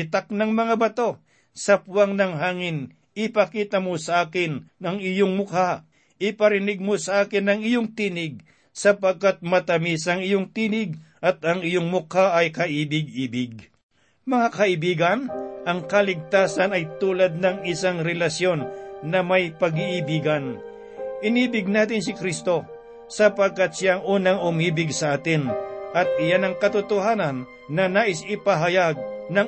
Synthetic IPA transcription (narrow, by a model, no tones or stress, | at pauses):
ɪt̪ak̚nɐŋmɐŋabɐt̪o̞ | sɐpwaŋnɐŋɦaːŋɪn | ʔɪpɐkiːt̪ɐmosɐʔaːkɪnɐŋɪjoŋmʊka | ʔɪpɐɾɪnɪɡ̚mosɐʔaːkɪnːɐŋɪjoŋt̪iːnɪɡ̚ | sɐpɐɡ̚kat̪̚mɐt̪ɐmisɐŋɪjoŋt̪iːnɪɡʔɐt̪ɐŋɪjoŋmʊkaʔɐjkɐʔiːbɪɡ̚ʔiːbɪɡ̚ | mɐŋakɐʔɪbiːɡɐnʔɐŋkɐlɪɡ̚t̪aːsɐnɐjt̪uːlɐd̪̚nɐŋɪsaŋɾɛlɐsjo̞nːɐmɐjpɐɡɪʔɪbiːɡɐn | ʔɪniːbɪɡ̚naːt̪ɪnsɪkɾist̪o̞ | sɐpɐɡ̚kat̪̚ʃjaɐŋʔuːnɐŋʊmiːbɪɡsɐʔaːt̪ɪnʔɐt̪̚ʔɪjanɐŋkɐt̪ʊt̪ohaːnɐnː | ɐnaːʔɪsɪpɐɦɐjaɡ̚nɐŋ